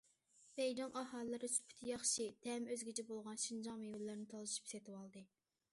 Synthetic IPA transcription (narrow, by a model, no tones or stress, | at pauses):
bɛjd̪ɨŋʔɑɦɑlˠːɨɾɨsy̥pʰy̥t̪ʰɪjɑχʃit̪ʰɛmøzɡʲit͡ʃʰɛbolˠʁɑnʃind͡ʒɑŋmewɪlːɪɾnɪt̪ʰɑlˠɨʃi̥pset̪ʰɪwɑlˠd̪ɨ